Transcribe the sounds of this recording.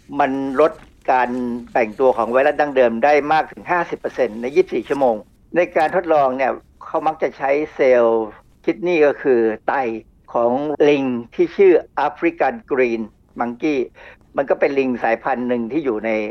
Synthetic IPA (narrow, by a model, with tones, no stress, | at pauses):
ma˧nɾo˦˥t̪̚ | kaː˧npɛ˨˩ŋt̪u˧ɐkʰɔː˩˦ŋwa˧˥jla˦˥daː˧˥˩ŋdɤː˧mdaː˥˩jmaː˥˩k̚t̪ʰɯ˩˦ŋɦaː˥˩si˨˩pːɤː˧se˧nːa˧˥jiː˥˩p̚siː˨˩t͡ɕʰu˥˩ɐmoː˧ŋ | na˧jkaː˧nt̪ʰo˦˥t̪̚lɔː˧ŋni˥˩ɐ | kʰa˦˥wma˦˥k̚t͡ɕa˨˩t͡ɕʰa˦˥jseː˧w | kʰi˦˥t̪̚niː˥˩kɔː˥˩kʰɯː˧t̪a˧j | kʰɔː˩˦ŋli˧ŋt̪ʰiː˥˩t͡ɕʰɯː˥˩ʔa˦˥pʰɾi˦˥ka˧nkɾiː˧n | ma˨˧˦ŋkiː˥˩ | ma˧nkɔː˥˩pe˧nli˧ŋsaː˩˦jpʰa˧nːɯ˨˧ŋt̪ʰiː˥˩juː˨˩na˧j